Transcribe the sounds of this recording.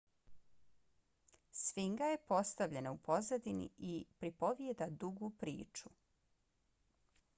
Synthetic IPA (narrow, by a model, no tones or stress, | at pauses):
sʋiŋɡajepo̞st̪aʋʎe̞naupo̞zad̪inḭʔipɾipo̞ʋjed̪ad̪uɡupɾḭːt͡ʃu̥